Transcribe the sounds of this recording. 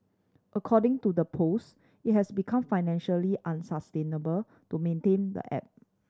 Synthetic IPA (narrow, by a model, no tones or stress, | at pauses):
ʔəkʰɔdɪ̃ŋtudəpʰos | it̚hɛsbikʰãmfaɪnɛ̃nʃəliʔãnsastẽnəbəl | tumẽntẽndə̰ʔɛ̰p̚